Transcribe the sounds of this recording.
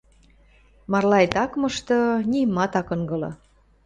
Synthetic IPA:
mɑrlɑjt̪ɑkmɤ̆ʃt̪ɤ̆nʲimːɑt̪ɑkɤŋɡɤlɤ̰

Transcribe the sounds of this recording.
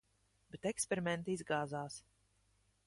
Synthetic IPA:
bɛt̪ɛkspʲɛɾimʲɛnt̪iizɡaːzaːs

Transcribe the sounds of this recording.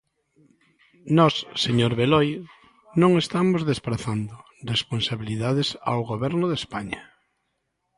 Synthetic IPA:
nɔsːeɲoɾβelɔj | nõŋest̪amozðespɾaθand̪ʊ | responsaβiliðaðesa̰wɣoβɛɾnʊðespaɲɐ

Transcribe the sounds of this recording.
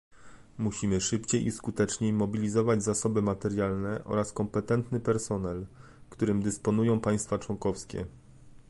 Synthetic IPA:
muɕimɘʂɘpt͡ɕejʔiskut̪ɛt͡ʂɲejmɔbʲilʲizɔvad͡ʑzasɔbɘmat̪ɛɾjalnɛʔɔ̰ɾaskɔmpɛt̪ɛnt̪nɘpɛɾsɔnɛl | kt̪uɾɘmd̪ɘspɔnujɔ̃w̃paj̃st̪fat͡ʂwɔŋkɔfskʲɛ̰

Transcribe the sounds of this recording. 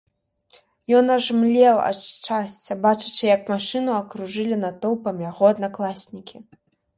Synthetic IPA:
jɔnɐʐmlʲɛwa̰t͡ʂːasʲt͡sʲɐbat͡ʂɨ̥t͡ʂɨjɐkmaʂɨnuɐkɾuʐɨlʲinat̪ɔwpɐmjaɣɔɐd̪naklˠasʲnʲikʲi

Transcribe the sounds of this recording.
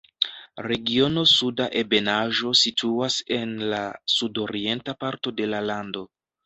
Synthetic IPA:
ɾe̞ɡio̞no̞sudaʔe̞be̞naʒo̞sitʰuase̞nlasudo̞ɾie̞ntapaɾto̞de̞lalando̞

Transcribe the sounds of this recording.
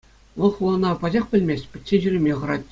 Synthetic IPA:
ʋɤ̆lˠχulˠɤ̆nɑpɑd͡ʑɑχpʲɘ̆lʲmʲesʲtʲpʲɘ̆tʲt͡ɕeʑyrʲĕmʲeχɤ̆ɾɑt̚ʲ

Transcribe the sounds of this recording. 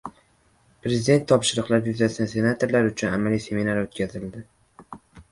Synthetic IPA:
pɾe̞zid̪e̞nt̪ʰːɒpʃɪɾʊqlˠapjʊzasanse̞nat̪ʰo̞ɾlaɾʊt͡ʃʰʊnamalijse̞minaɾot̪̚kʲʰazɪld̪ɪ

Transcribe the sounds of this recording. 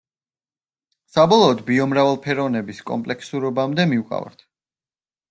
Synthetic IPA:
sabɔlˠɔːd̪biɔmɾavɛlˠpʰɛɾɔvnɛbiskʼɔ̰mpʼlɛkʰsuɾɔbamd̪ɛmiukʼa̰va̰ɾt̪ʰ

